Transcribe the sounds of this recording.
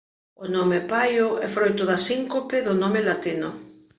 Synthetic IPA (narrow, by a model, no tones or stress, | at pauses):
onomepajoʔɛfɾojt̪ʊðasiŋkopeðʊnomelat̪ino